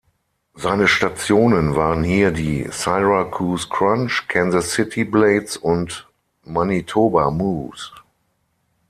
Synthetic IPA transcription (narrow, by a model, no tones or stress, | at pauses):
zaɪnəʃtat͡sjoːnə̃nvaːʁə̃nhiːɐdḭːsaɪʁakʰuːskɹãnt͡ʃkʰɛ̃nzasɪtʰibleɪsʊnt | manitʰoːbamuːs